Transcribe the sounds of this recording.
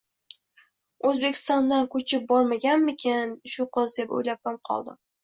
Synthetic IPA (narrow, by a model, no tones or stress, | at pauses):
ɵzbe̞kʲʰɪ̥st̪ɒnd̪ankʰɵt͡ʃʰɪp̚bɒɾmaɡʲanmɪkʲʰenʃʊqɨzd̪e̞po̰jlap̚ːamqʰɒ̰lˠd̪ɪ̰